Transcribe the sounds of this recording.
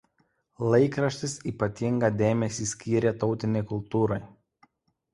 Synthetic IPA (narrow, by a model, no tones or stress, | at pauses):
lˠɐɪkɾɐʃʲt̪ʲɪsiːpɐt̪ʲɪŋɡɐd̪ʲeːmʲɛsʲiːsʲkʲiːɾʲeːt̪ɒʊt̪ʲɪnʲɛɪkʊlˠt̪uːɾɔɪ